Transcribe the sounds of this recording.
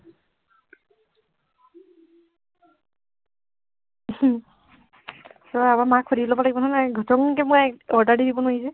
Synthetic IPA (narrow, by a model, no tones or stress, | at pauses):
sɔamamakʰːodiblɔbalaɡibɔnanaɡʱɔtɔŋkɛmuaɔɹdaɹdidibɔnoisɛ